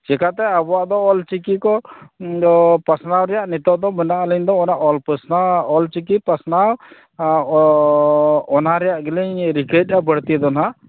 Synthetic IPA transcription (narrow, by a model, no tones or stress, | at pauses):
d͡ʒɛkat̪ɛabɔwaʔd̪ɔːlt͡ʃikikɔ | pasnawɾɛjaʔnit̪ɔʔd̪ɔmɛnaʔləɲd̪ɔɔnaʔɔlpəsnaɔlt͡ʃikipasnaw | ɔnɦaɾɛjaʔɡɛliɲɾikət̚abəɽt̪id̪ɔnɦaʔ